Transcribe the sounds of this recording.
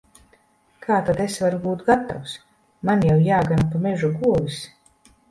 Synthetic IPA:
kʰaːt̪ad̪esvaɾuɡuːt̪̚ɡat̪a̰ws | manjawjaːɡanpamɛʒuɡuɔvis

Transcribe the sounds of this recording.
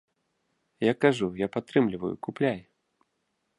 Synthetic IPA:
jakːaʐujapat̪ːɾɨmlʲivɐ̰jṵkuplʲaj

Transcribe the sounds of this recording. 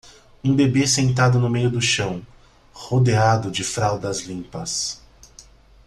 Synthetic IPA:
ũbebesẽnt̪̬ad̪ʊnʊmejʊd̪ʊʃɐ̃w̃ | hod̪ead̪ʊd͡ʒɪfɾawd̪ɐzlĩmpɐs

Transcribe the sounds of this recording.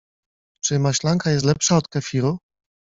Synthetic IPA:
t͡ʂɘmaɕlaŋkajɛst̪lɛpʂaɔt̪kafʲiɾu

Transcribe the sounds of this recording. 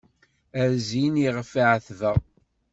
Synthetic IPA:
æɾziniʁfəʕθvəʁ

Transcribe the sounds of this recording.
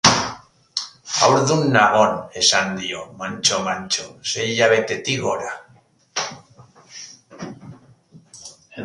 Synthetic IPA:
a̰wɾðunːaɣonesand̪iomant͡ʃomant͡ʃoseʎaβet̪et̪iɣoɾa

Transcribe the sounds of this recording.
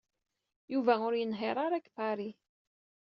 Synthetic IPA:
juvæʊɾjənɦeɾˤɑɾækpaɾi

